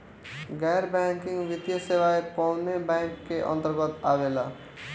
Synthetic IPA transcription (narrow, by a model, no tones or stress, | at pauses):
ɡɛjɾbɛ̃ŋkɪ̃ŋɡʋɪt̪jəseʋaepɔʊnebɛ̃ŋkːeʔə̰̃nt̪əɾɡət̪aʋela